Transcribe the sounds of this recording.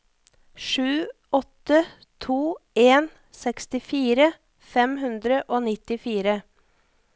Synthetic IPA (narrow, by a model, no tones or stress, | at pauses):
ʂʉː | ɔt̪ə | t̪ʰuːeːn | sɛkst̪ɪfiːɾə | fɛmɦʉnd̪ɾəʔoːnɪt̪ɪfiːɾə